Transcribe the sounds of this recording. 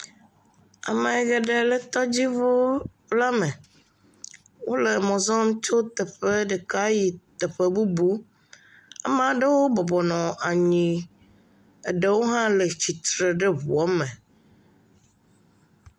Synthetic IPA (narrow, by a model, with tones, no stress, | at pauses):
a̰˨me˨ɛ˨ɡɛ˨ɖɛ˨lɛ˦t̪ɔ˦d͡ʑi˦vo˦ | la˦mɛ̃˨ | wo˦le˨mɔ̃˨zɔ˦m˦t͡ʃo˦t̪ɛ˨ɸe˦ɖɛ˨ka˦ji˨t̪ɛ˨ɸe˦bu˦bu˦ | ɛ̰˦m˦a˨ɖe˦wo˦bɔ˨bɔ˨nɔ̃˨a˨ɲĩ˨ | e˨ɖe˨wo˦ɦã˦le˨t͡ɕi˨t̪ɾe˨ɖe˦βu˨ɔ˦mɛ̃˨